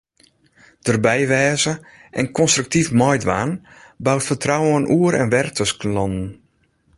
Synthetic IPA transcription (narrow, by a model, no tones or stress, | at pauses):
d̥ərbɛjʋɛːzə | ʔɛnkʰɔnstryk̚tifmɔjdʋaːnbawtfərtrawənʔuəɾɛ̰nʋɛrtʰəsknlɔndn̩